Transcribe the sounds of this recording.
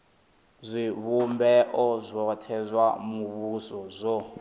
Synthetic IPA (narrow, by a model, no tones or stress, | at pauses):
zʷiβumbɛʔɔzʷɔtʰɛzʷwamuβusɔzʷɔ